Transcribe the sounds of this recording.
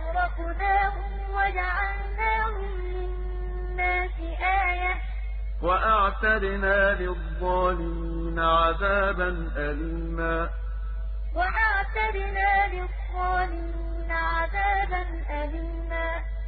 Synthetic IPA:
ɾˤɑʔ | naːhʊm | wad͡ʒaʕal | naːhʊmmɪnː | aːsɪʔaːja | waʔaʕt̪ad̪ɪnaːlɪðˤːɑːnɪ | naʕaðaːbanʔaliːmaː | waʔaʕt̪ad̪ɪnaːlɪðːɑːnɪː | naʕaðaːbanʔaliːmaː

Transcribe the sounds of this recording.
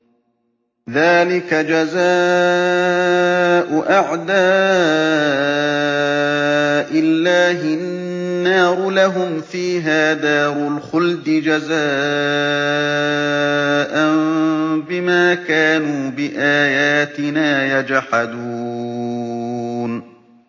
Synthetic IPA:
ðaːlɪkad͡ʒazaː | ʔʊʔaʕd̪aː | ʔɪlːaːɦɪ | nːɑːɾʊlaɦʊmfiːɦaːd̪ɑːɾˤʊlxʊld̪ɪd͡ʒazaː | ʔanbɪmaːkaːnuːbɪʔaːjaːt̪ɪnaːjad͡ʒħad̪uuː | n

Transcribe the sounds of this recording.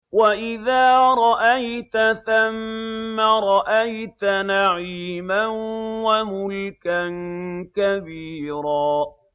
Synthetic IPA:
waʔɪðaːɾˤɑʔajt̪aθamːaɾˤɑʔajt̪anaʕiːmanwamʊlkankabiːɾaː

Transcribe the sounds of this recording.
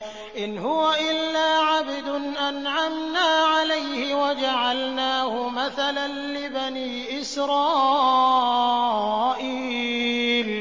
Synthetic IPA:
ʔɪnɦʊwaʔɪlːaːʕabd̪ʊnʔanʕamnaːʕalajhɪwad͡ʒaʕalnaːhʊmaθalanlɪbaniːʔɪsɾɑː | ʔiː | l

